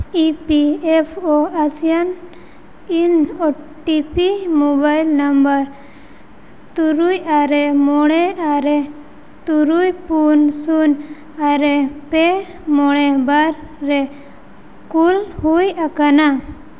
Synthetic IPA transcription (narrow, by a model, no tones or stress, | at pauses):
ipiepʰɔasijan | inɔ | ʈipimobajlnambəɾ | t̪uɾujaɾɛmɔɽ̃ɛaɾɛ | t̪uɾujpunsun | aɾɛpɛ | mɔɽ̃ɛbaɾːɛ | kulhujakana